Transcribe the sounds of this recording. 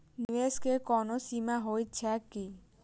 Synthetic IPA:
nieskekɔnosimaɦojt͡ɕʰaki

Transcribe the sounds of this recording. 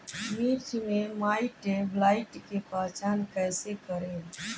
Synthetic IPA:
miːɾt͡ʃmẽmaːiʈeblaːɪʈkepaːt͡ʃaːnkɛːsekəɾẽ

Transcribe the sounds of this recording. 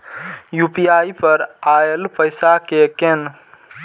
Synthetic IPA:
jupiajpəɾaelpəjsakeken

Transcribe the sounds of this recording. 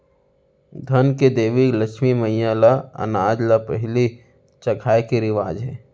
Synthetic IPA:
d̪ʱɐnked̪eːʋikləkʃmiməijãlaɐ̰naːd͡ʒlapəɦɪli | t͡ʃɐkʰaːekeɾɪʋaːd͡ʒɦɛː

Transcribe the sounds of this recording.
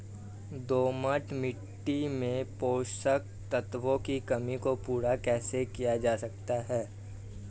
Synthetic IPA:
d̪oːməʈmɪʈːimẽpoːsək̚ | t̪ət̪ʋõkikɐmikopuːɾakɛːsekijad͡ʒaːsɐk̚t̪aɦɛː

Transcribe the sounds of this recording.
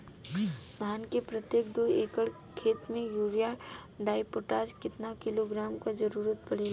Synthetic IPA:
mʱaːnkepɾɐt̪jeːk̚d̪oeːkəɭ | kʰeːt̪mẽjuːɾija | ɖaːɪpoʈaːd͡ʒkɪt̪nakɪloɡɾaːmkad͡ʒɐɾuːɾət̪pɐɽ̤eːla

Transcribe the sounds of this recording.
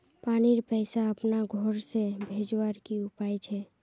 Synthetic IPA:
paniɾpɛɪsaəpnaɡʱɔɾsebʱed͡ʒwəɾkiupajt͡ʃʰɛ

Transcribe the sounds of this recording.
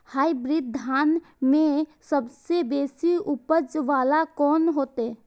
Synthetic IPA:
haːibɾɪd̪ʱaːn | mẽsəbsebeːsiʊpəd͡ʒʋaːlakɔːnɦoːt̪ɛ

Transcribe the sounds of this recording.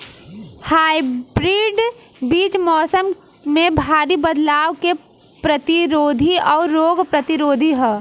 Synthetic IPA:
haːibɾiːɖ | biːt͡ʃmɔːsəm | mẽbʱaːɾibəd̪laːʋke | pɾɐt̪ɪɾoːd̪ʱiɔːɾɾːoːɡpɾɐt̪ɪɾoːd̪ʱiɦɛː

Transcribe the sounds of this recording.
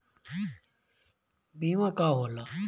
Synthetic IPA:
biːwãːkaːɦoːlaː

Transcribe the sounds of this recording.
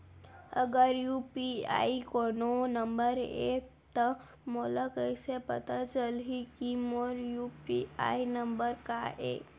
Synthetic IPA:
ə̰ɡəɾjupia̰ikononəmbəɾḛ | t̪ə | moləkəjsepə̰t̪at͡ʃəlɦikimoɾjupia̰inəmbəɾkaḛ

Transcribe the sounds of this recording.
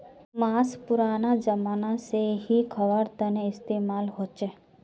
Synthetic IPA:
maːspʊɾaːnad͡ʒəmaːnaseɦikʰəʋəɾt̪əneɪst̪eːmaːlɦoːt͡ʃe

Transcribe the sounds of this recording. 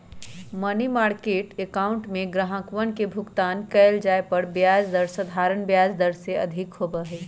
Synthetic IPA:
mənimaːɾkeːʈekaːʊ̃ɳʈmẽɡɾəɦə̃kʋənkebʱʊɡt̪aːnkɛːld͡ʒaːepəɽbjaːd͡ʒd̪əɾsəd̪ʱaːɾənbjaːd͡ʒd̪əɾseɐ̰d̪ʱɪkɦobəɦɛː

